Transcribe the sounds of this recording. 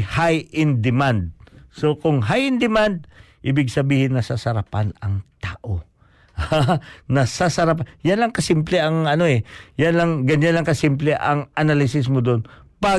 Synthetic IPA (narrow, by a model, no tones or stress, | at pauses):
hajʔɪnd̪ɪmand̪̚sokʊŋɦajɪnd̪ɪmand̪̚ | ʔɪbɪɡsɐbiːhɪnːɐsasɐɾapanɐŋt̪aːʔo | hanɐsasɐɾap̬ajanlɐŋkɐsimplɛʔɐŋɐnoɛjanlɐŋɡɐɲjanlɐŋkɐsimplɛʔɐŋʔɐnalɪsɪs̬mod̪onpa